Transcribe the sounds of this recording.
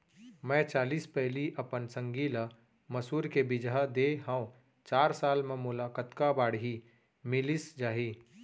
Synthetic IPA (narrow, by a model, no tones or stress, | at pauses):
mɛ̃t͡ʃaːliːspɛɦliʔəpənsə̃ŋɡil | məsuːɾkebɪd͡ʒɦad̪eɦə̃ʊ̃ | t͡ʃaːɾsaːlmẽmʊlaːkət̪kabaːɽɦi | mɪlisd͡ʒaːɦiː